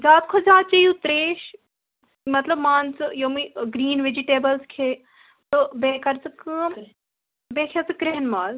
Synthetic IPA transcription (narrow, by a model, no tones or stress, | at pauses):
d͡zaːt̪kʰozaːt̪̚t͡ʃɐjut̪ɾeːʃ | mɐt̪lɐbmaːnt͡sɨjomiɡɾiːnʋed͡ʒiʈeːbɐlskʰeː | t̪obeːkɐɾt͡sɨkɨ | beːkʰet͡sɨkɾeɦnmaːl